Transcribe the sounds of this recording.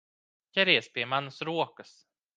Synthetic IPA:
kɛɾeːspemansɾoːkəs

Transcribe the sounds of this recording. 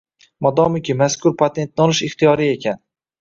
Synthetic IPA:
mɒd̪ɒmɪkʲɪmaskʊɾpʰat̪ʰe̞nt̪̚nɒlˠɪʃɪχt̪ʰijɒɾie̞kʲʰan

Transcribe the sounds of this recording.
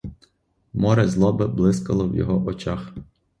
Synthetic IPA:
mɔɾɛzlˠɔbɪblˠɪskɐlˠɔwjɔ̰ɦɔʔɔt͡ʃax

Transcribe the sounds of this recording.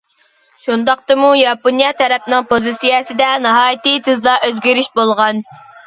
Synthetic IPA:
ʃund̪ɑq̚t̪ɨmujɑponijɑt̪ʰɛɾɛpnɨŋpʰozisijɛsɪd̪ɛnɑɦɑːjt̪it̪ʰɨzlˠɑʔøzɡʲiɾyʃbolˠʁɑn

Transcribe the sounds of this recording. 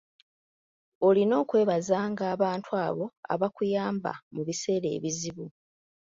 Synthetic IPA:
o̞lino̞ːkwe̞ːβazaŋɡaːβaːntʰwaːβo̞a̰βakujaːmba̰muβise̞ːɾe̞̰ːβiziβu

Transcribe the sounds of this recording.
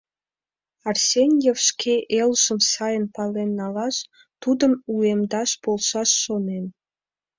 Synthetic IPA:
ɑrsʲenʲjefʃkʲʰeʔelʒə̆msɑjənpɑlenːɑlɑʃ | t̪ud̪ə̆muemd̪ɑʃpolˠʃɑsːonen

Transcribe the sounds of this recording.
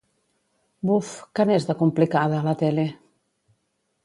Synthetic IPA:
bufkanezðakumplikaðaːlat̪ɛle

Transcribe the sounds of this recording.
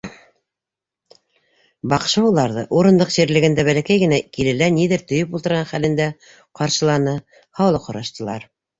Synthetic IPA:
bɑqʃɤulˠɑɾðɤʔuɾɤ̆nd̪ɤqʑiɾlɘ̆ɡɘ̆nd̪æβælækæjɡɘ̆nækilɘ̆læniðɘɾt̪ɵ̆jɵpulˠt̪ɤ̆ɾʁɑnχælɘ̆nd̪æ | qɑɾʃɤ̆lˠɑnɤ | hɑwlˠɤqʰŏɾɑʃt̪ɤ̆lˠɑ̰ɾ

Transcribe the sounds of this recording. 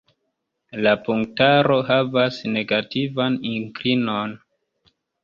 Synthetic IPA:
lapuŋktaɾo̞ɦavasne̞ɡativaniŋkɾino̞n

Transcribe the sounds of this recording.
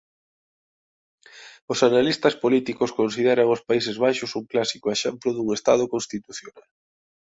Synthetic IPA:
ʊsanalist̪ɐspolit̪ikoskonsið̞eɾaŋʊspaisezβajʃʊsuŋklasikoeʃɛmplʊðuŋest̪að̞ʊkonst̪it̪uθjonal

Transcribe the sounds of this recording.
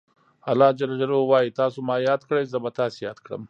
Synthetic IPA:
alːɑːd͡ʒalad͡ʒalowɑːjit̪ɑsomɑːjɑːd̪kɽəjzəbat̪ɑsejɑːd̪kɽə̰m

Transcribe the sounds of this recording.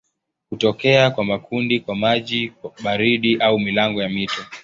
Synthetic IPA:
hutɔkɛakwamakʰundikwamaʄiɓaɾiɗiʔaumilaŋɡɔjamitɔ

